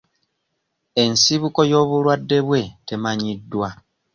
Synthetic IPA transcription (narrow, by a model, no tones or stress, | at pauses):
e̞nsiβuko̞jo̞ːβulwadːe̞βwe̞te̞maɲidːwa